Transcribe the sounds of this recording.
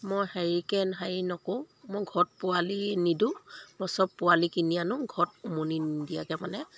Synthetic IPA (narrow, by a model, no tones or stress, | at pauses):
mɔjhɛɹikɛnɦajinɔkoʊ̃ | mɔjɡʱɔt̚pʊalinidũmɔsɔpːʊwalikinianʊ̃ɡʱɔtumonidija̰kɛmanɛ